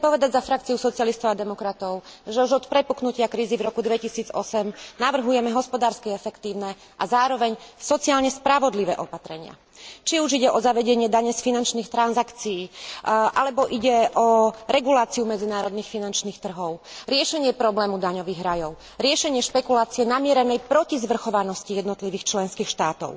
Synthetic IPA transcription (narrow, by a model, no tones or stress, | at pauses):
t͡sɛpɔʋɛd̪aɟzafɾak̚t͡siusɔt͡siɪalist̪ɔʊad̪ɛmɔkɾat̪ɔʊʒɛuʒɔt̪pɾɛpuknucɪakɾiːzivɾɔkud̪ʋɛcisiːd͡zɔ̰sɛmnaʋr̩ɦujɛmɛɦɔspɔd̪aːɾskiɛfɛkt̪iːʊnɛ | ʔazaːɾɔʋɛɲsɔt͡siaːlɲɛspɾaʋɔd̪liʋɛ̰ːʔɔpat̪ɾɛɲɪa̰ | t͡ʃiuʒiɟɛʔɔzaʋɛɟɛɲɪɛd̪aɲɛsfinant͡ʃniːxt̪ɾanzakt͡sijiːʔalɛbɔʔiɟɛʔɔɾɛɡulaːt͡siumɛd͡zinaːɾɔd̪niːxfinant͡ʃniːxt̪r̩ɦɔʊɾɪɛʃɛɲɪɛpɾɔblɛːmud̪aɲɔʋiːɣɾajɔʊ | ɾɪɛʃɛɲɪɛʃpɛkulaːt͡siɛnamɪɛɾɛnɛjpɾɔcizʋr̩xɔʋanɔscijɛd̪nɔt̪liʋiːxt͡ʃlɛnskiːxʃt̪aːt̪ɔ̰ʊ